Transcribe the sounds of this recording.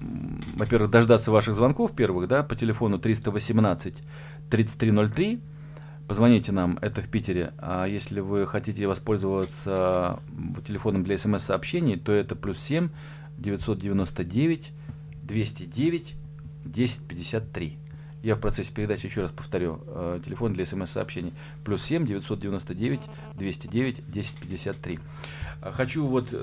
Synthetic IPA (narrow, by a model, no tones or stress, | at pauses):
vɐpʲeɾvɨxd̪ɐʐd̪at̪sːəvaʂɨɣzvɐnko̞fpʲe̞rvɨxd̪apətʲɪlʲɪfo̞nʊt̪ɾʲist̪əvəsʲɪmnat̪sɨtʲ | t̪ɾʲit̪sɨ̥tʲt̪ɾʲino̞lʲt̪ɾʲi | pəzvɐnʲitʲɪnamɛ̰t̪əfʲpʲitʲɪɾʲɪ̰a̰jesʲlʲɪvɨxɐtʲitʲɪvɐspo̞lʲzəvət̪sə | tʲɪlʲɪfo̞nəmd̪lʲɐɛsɛmɛsːɐːpɕːenʲɪjt̪o̞ɛt̪əplʲussʲemʲ | dʲɪvʲɪt̪so̞t̪̚dʲɪvʲɪno̞st̪ədʲevʲɪtʲ | d̪vʲesʲtʲɪdʲevʲɪtʲ | dʲesʲɪ̥t̚ʲpʲɪdʲɪsʲat̪ːɾʲi | jafpɾɐt̪sɛsʲːɪ̥pʲɪɾʲɪd̪at͡ɕɪjɪɕːo̞raspə̥ft̪ɐɾʲu | tʲɪlʲɪfo̞nd̪lʲɐɛsɛmɛsːə̰pɕːenʲɪj | plʲussʲemʲdʲɪvʲɪt̪sodʲɪvʲɪno̞st̪ədʲevʲɪtʲ | d̪vʲesʲtʲɪdʲevʲɪtʲdʲesʲɪ̥tʲpʲɪdʲɪsʲat̪ːɾʲi | xɐt͡ɕuvo̞t̪